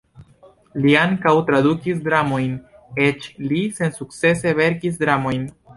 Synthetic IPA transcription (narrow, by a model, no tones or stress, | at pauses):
liaŋkawtɾadukis̬dɾamo̞jn | e̞t͡ʃlise̞nsuk̚t͡se̞se̞ve̞ɾkis̬dɾamo̞jn